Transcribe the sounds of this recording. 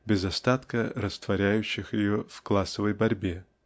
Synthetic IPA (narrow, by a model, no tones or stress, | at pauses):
bʲɪzɐst̪at̪kəɾəst̪vɐɾʲæjʉɕːɪxjɪjovklˠasəvəjbɐɾʲbʲe